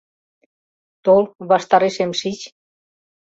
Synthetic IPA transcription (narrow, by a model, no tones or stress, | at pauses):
t̪olβɑʃt̪ɑɾeʃemʃit͡ɕ